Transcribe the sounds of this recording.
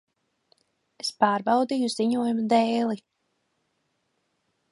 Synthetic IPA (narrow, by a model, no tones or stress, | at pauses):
espaːɾbɑwd̪ijuz̥iɲuɔjumad̪ɛːlˠi